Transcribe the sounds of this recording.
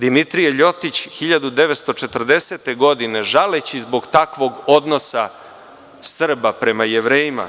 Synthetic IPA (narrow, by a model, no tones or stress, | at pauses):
d̪imit̪ɾijeʎo̞t̪it͡ɕxiʎad̪ud̪e̞ʋet̪st̪o̞t͡ʃet̪r̩d̪eset̪e̞ɡo̞d̪ine̞ʒalet͡ɕizboɡt̪akʋo̞ɡo̞d̪no̞sa | sr̩bapɾe̞majeʋɾeːjima̰